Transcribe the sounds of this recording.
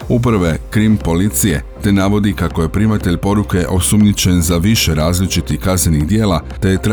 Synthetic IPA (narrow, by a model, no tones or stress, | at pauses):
up̬ɾʋekɾimpo̞lit̪sije̞t̪e̞naʋo̞d̪ikakoje̞pɾimat̪eʎʲpo̞ɾuke̞ʔo̞sumɲit͡ɕe̞nzaʋiʃeɾaːzlit͡ʃit̪ixkazneniɣd̪jeːlat̪e̞jet̪ɾ